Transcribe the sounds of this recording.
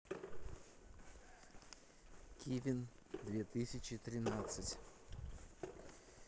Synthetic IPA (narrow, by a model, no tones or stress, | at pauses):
kʲʰivʲɪnd̪vʲet̪ɨsʲɪt͡ɕɪt̪ɾʲɪnat̪sɨtʲ